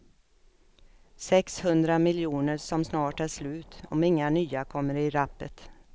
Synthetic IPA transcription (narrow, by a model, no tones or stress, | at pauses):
sɛkshɵnd̪ɾamɪljuːnəɾsɔmsnɑːʈæʂlʉ̟ːt̪ɔmɪŋːanyːakʰɔmːəɾɪɾapːət̪